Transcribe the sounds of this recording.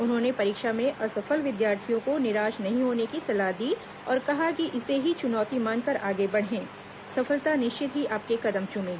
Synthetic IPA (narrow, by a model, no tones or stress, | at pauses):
ʊnɦõːnepɐɾiːkʃamẽʔɐsɐfəlʋɪd̪jaːɾt̪ʰijõkonɪɾaːʃnɐɦĩɦoːnekisɐlaɦd̪iː | ɔːɾkɐɦakiʔɪseɦit͡ʃʊnɔːt̪imaːnkɐɾʔaːɡebɐɽɦɛ̃ː | sɐfəlt̪anɪʃt͡ʃɪt̪ɦiʔaːp̚kekɐd̪əmt͡ʃʊnẽː